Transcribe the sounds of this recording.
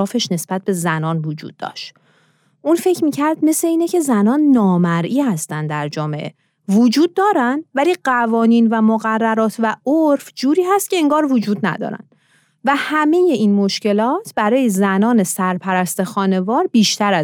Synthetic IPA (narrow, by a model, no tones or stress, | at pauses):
ɒːfe̞ʃne̞sb̥æt̪̚be̞zænɒːnvod͡ʒṵːd̪̥̚ːɒ̰ːʃt̪ | ʔuːnfe̞cʰmiːcʰæɾd̪̚me̞sle̞iːnecʰe̞zænɒːnːɒːmæɾʔiːhæst̪ænd̪æɾd͡ʒɒːmeʔḛ | vod͡ʒuːd̪̚ːɒːɾænd̪væliːɢævɒːniːnvæmoɣærːæɾɒːt̪ʰvæoɾfd͡ʒuːɾiːɦæst̪̚cʲʰe̞eŋɡɒːɾvod͡ʒuːd̪̚næ̰d̪ɒ̰ːɾæ̰n | væhæme̞je̞ʔinmo̞ʃce̞lɒːt̪ʰbæɾɒːje̞zænɒːne̞sæɾpʰæɾæst̪e̞xɒːne̞vɒːɾbiːʃt̪æɾæ